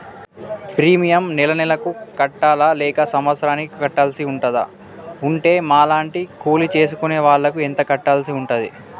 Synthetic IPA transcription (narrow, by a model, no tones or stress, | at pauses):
pɾiːmijɐmnilɐnilɐkukɐʈːaːlaːlɛːkɐsɐmʋɐt̪sɾaːnikkɐʈːaːlsiuɳʈɐd̪ɐ̰ | uɳʈe̞ːmaːlaːɳʈikuːlit͡ʃe̞ːs̬ukune̞ːʋaːɭːɐkuent̪ɐkɐʈːaːlsiuɳʈɐd̪ḭ